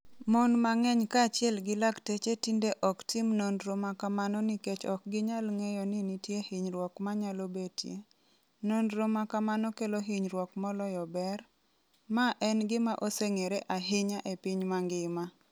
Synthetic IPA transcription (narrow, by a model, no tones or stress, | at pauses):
mɔnmaŋɛɲkat͡ʃɪɛlɡɪlaktet͡ʃetindeʔɔktɪmnonɾomakamanɔniket͡ʃɔk̚ɡɪɲalŋejɔnɪnitjehɪɲɾwɔkmaɲalobetjḛ | nonɾomakamanɔkeloɦɪɲɾwɔkmɔlɔjɔbɛr | maʔɛnɡɪmaʔoseŋeɾeʔaɦɪɲaʔepɪɲmaŋɡɪma